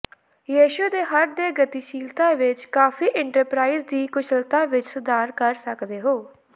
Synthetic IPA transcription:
jiːʃʊd̪eːɦəɾd̪eːɡət̪iːʃiːlt̪ãːʋɪt͡ʃkaːpʰiːʔɪɳʈəɾpɾaːiːzd̪iːkʊt͡ʃʰəlt̪ãːʋɪt͡ʃsʊd̪aːɾkəɾsəkd̪eːɦoː

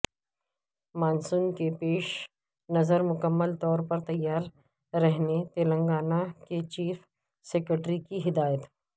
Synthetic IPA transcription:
maːnsuːnkepeːʃ | nɐzəɾmʊkəmːəlt̪ɔːɾpɐɾt̪ɐjːaːɾ | ɾɛɦnet̪eːlə̃ŋɡaːnaket͡ʃiːf | seːkɾəʈɾikiɦɪd̪aːjət̪

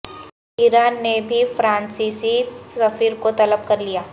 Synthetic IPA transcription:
iːɾaːnːebʱifɾãːnsisisɐfiːɾkot̪ɐləb̚kɐɾlijaː

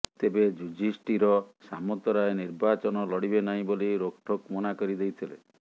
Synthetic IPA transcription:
t̪ebed͡ʒud͡ʒisʈiɾɔsamɔt̪ɔɾajniɾbat͡ʃɔnɔlɔɽibenaɦĩboliɾokʈʰɔkmɔnakɔɾid̪ejt̪ʰilḛ

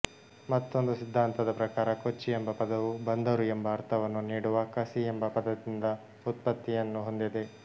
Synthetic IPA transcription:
mɐt̪ːo̞nd̪usid̪ʱːaːnt̪ɐd̪ɐpɾɐkaːɾɐkot͡ʃːiembɐpɐd̪ɐʋubɐnd̪ɐɾuembɐːɾt̪ʰɐʋɐnːuniːɽuʋɐkɐsiembɐpɐd̪ɐd̪ind̪ɐ | ut̪̚pɐt̪ːijɐnːuɦo̞nd̪id̪e̞

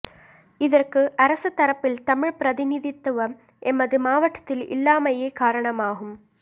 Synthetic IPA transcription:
ɪðɐrkɯʔɐɾɐsɐt̪ːɐɾɐpːɪlt̪ɐmɪɻpɪɾɐðɪnɪðɪt̪ːɐʋɐm | ʔɛmbɐðɯmaːʋɐʈːɐ̥t̪ːɪlɪ̰lːaːmɐjɐɪkaːɾɐɳɐmaːɣɯm

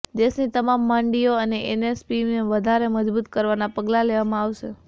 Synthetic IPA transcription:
d̪eʃnit̪əmamːãɳɖijoəneʔenespineʋəd̪ʱaɾeməd͡ʒbut̪kəɾʋanapəɡlaleʋamãaʋʃe

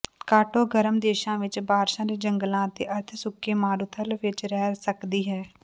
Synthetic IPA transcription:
kaːʈoːɡəɾəmd̪eːʃãːʋɪt͡ʃbaːɾʃãːd̪eːd͡ʒəŋɡəlãːt̪eːʔəɾt̪ʰsʊkːeːmaːɾʊt̪ʰəlʋɪt͡ʃɾɛːsəkd̪iːɦɛː

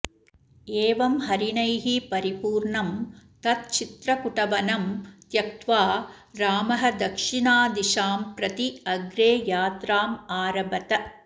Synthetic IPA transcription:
eːʋɐmɦɐɾinɐjɦipɐɾipuːɾɳɐmt̪ɐt̪̚t͡ʃit̪ɾɐpuʈɐʋɐnɐmt̪jɐk̚t̪ʋaː | ɾaːmɐɦɐd̪ɐkʂiɳaːd̪iʃaːmpɾɐt̪iɐɡɾeːjaːt̪ɾaːmaːɾɐbɐt̪ɐ

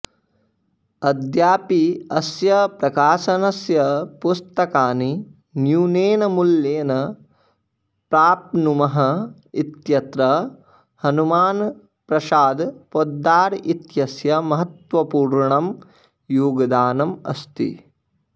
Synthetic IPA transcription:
ɐd̪jaːpiɐsjɐpɾɐkaːʃɐnɐsjɐpust̪ɐkaːni | njuːneːnɐmuljeːnɐ | pɾaːpnumɐɦɐ | it̪jɐt̪ɾɐ | hɐnumaːn | pɾɐʃaːd̪pod̪ːaːɾit̪jɐsjɐmɐɦɐt̪ʋɐpuːɾɳɐm | juːɡɐd̪aːnɐmɐ̰st̪ḭ

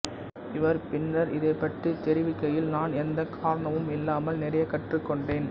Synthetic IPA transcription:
ɪʋɐɾpɪnːɐɾɪðɐɪpːɐʈrɯt̪ɛɾɪʋɪkːɐjɪlnaːnɛnd̪ɐkʰaːɾɐɳɐʋɯmɪlːaːmɐlnɪɾɐjɐkːɐʈrɯkːɔɳɖeːn

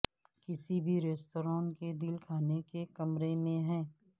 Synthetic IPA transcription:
kɪsibʱiɾeːsʈoɾɔ̃ːnked̪ɪlkʰaːnekekɐmɾemẽɦɛ̃ː

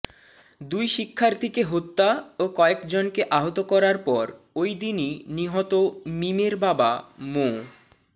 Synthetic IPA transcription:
d̪ujʃikʰːaɾt̪ʰekeɦot̪ːaokɔekd͡ʑonkeʔaɦot̪okɔɾaɾpɔɾ | ojd̪ininiɦɔt̪omimeɾbabamo

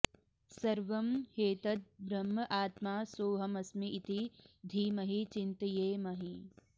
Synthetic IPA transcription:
sɐɾʋɐmheːt̪ɐt̪̚bɾɐmːɐʔaːt̪maːsoːɦɐmɐsmiːt̪id̪ʱiːmɐɦit͡ʃint̪ɐjeːmɐɦi

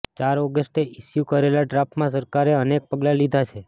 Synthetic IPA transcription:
t͡ʃaɾɔɡəsʈeiʃjukəɾelaɖɾapmãs̬əɾkaɾeənek̚pəɡlalid̪ʱat͡ʃʰe

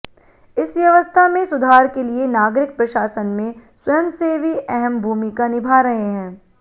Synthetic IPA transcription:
ɪsʋjɐʋəst̪ʰamẽsʊd̪ʱaːɾkelienaːɡɾɪk̚pɾɐʃaːsənmẽswɐjəmseʋiʔɛɦɛmbʱuːmikanɪbʱaːɾɐɦeɦɛ̃ː

